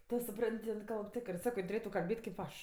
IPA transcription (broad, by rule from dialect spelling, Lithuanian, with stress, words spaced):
ˈtʊ sʊˈprɐnʲtʲ jɪn ˈkɐlˠp ˈtʲɪkrɜ ˈsɑːkoː ˈjɪn tʊˈrʲeːtʊ kɐlʲˈbʲeːtʲ ˈtʲeːp kʲeːp ˈɐʃ